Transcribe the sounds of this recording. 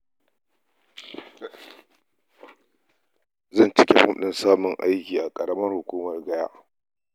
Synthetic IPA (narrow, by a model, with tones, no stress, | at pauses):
zɐ˦˨nt͡ʃɪ˦kʲe˨ɸʊ̰˦mɗɪ˦nsaː˦mʊ˨ŋʔa̰˦jkʲiː˨ʔa˨kʼɐ˨ɽɐ˦mɐ˦rhʊ˨kʷuː˦mɐ˨rɡɐ˦ja̰ː˦ʔ